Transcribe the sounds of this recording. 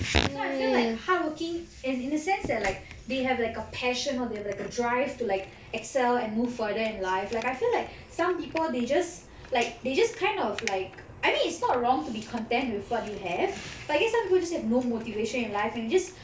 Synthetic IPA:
najfillaɪkhawəkɪ̃ŋ | ɛ̃nĩndəsɛ̃nsdɛt̚laɪk̚ | deɦɛvlaɪkəpʰɛʃə̃nɔdehɛvlaɪkədɹaɪv̥tulaɪk | ɛksɛlɛ̃nmuvfədəɪ̃nlaɪflaɪkaɪfilaɪk̚ | sãmpipəlded͡ʒas | laɪk̚ded͡ʒaskʰãɪ̃ndɔvlaɪk̚ | aɪmĩnɪtsnɔt̚ɹɔ̃ŋtubikʰɔ̃ntɛ̃nt̚wɪðwɔt̚juɦɛvbataɪɡɛsːãmpipəlˠd͡ʒashɛvnomotiveʃə̃nɪ̃nlaɪfɛ̃nd͡ʒas

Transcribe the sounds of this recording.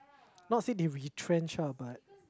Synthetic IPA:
nɔtsidiɹitʰɹɛ̃nt͡ʃəbat̚

